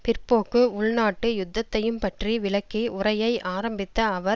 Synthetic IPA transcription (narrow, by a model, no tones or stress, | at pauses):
pɪrpoːkːɯʊɭnaːʈːɯjʊd̪ːɐt̪ːɐjɯmpɐʈriʋɪɭɐkːiʊɾɐjɐɪʔaːɾɐmbɪt̪ːɐːʋɐɾ